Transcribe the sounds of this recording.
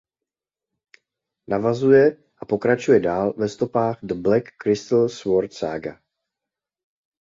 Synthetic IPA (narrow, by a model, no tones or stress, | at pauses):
navazujɛ | ʔapo̞kɾat͡ʃujɛdaːlvɛst̪o̞paːxd̪əblɛkːɾɪst̪l̩svoɾt̪sa̰ɡa̰